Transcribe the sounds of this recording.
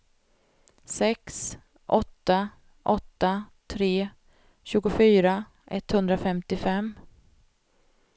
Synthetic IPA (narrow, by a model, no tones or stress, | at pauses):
sɛks | ʔɔt̪ːa | ʔɔt̪ːat̪ʰɾeː | ɕʉ̟ːɡʊfyːɾa | ʔɛt̪ːhɵnd̪ɾafɛmt̪ɪfɛmː